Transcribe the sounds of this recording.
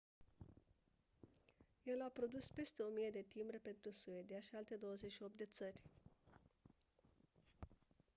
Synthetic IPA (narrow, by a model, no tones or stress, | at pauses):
je̞lapɾo̞d̪uspe̞st̪e̞o̞mijed̪e̞t̪imbɾepe̞nt̪ɾusued̪eaʃialt̪e̞d̪o̞wəzetʲʃio̞p̚t̪d̪e̞t̪sərʲ